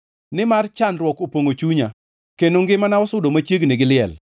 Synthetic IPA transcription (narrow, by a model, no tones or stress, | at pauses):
nɪmart͡ʃanɾwɔkopwoŋot͡ʃuɲa | kenoŋɡɪmanaɔsʊdomat͡ʃeɡnɪɡɪlɪɛl